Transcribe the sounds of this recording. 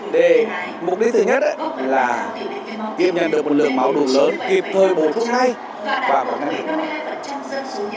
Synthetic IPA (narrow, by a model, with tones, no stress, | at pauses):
ɗe˨˩˦ | mu˨˩t̚ɗi˧˦˥t̪ʰɨ˨˩ɲə˦˥t̚ʔlaː˨˩ | t̪ḭ˧˨əpɲə̰˧˨nɗɨ˨˩ək̚mo˨˩lɨ̰˧˨əŋmaː˧˦wɗu˨˩ələː˨˦nki˨˩p̚t̪ʰəː˨˩jɓo˨˩su˦˥ək̚ɦaː˧j | vaː˨˩mo̰˨˩t̚ŋa˧˦ŋɗḭ˨˧˨